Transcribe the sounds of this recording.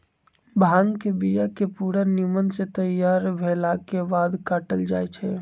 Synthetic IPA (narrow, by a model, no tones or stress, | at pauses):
bʱaŋɡkebijakepuɾənimənset̪əjaɾbʱelakebad̪kaʈəld͡ʒajt͡ʃʰɛ